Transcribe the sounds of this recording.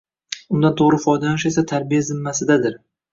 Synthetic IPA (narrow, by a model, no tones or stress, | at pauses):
ʊnd̪ant̪ʰoʁɾɪfɒjd̪anɪʃe̞sat̪ʰaɾbijazɪmːasɪd̪ad̪ɪɾ